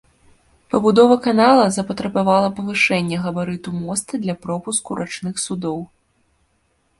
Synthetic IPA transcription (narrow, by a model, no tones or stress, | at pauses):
pɐbud̪ɔvɐkanalˠɐzɐpɐt̪ɾɐbavalˠɐpɐvɨʂɛnʲːɛɣɐbaɾɨt̪umɔst̪ɨd̪lʲɐpɾɔpuskuɾʔat͡ʂnɨxsud̪ɔw